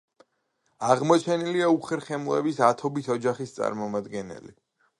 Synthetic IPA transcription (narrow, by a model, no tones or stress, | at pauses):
aʁmɔt͡ʃʰɛniliauχɛɾχɛmɔɛ̰bisat̪ʰɔbit̪ʰɔd͡ʒaχist̪sʼa̰ɾmɔmad̪ɡɛnɛ̰li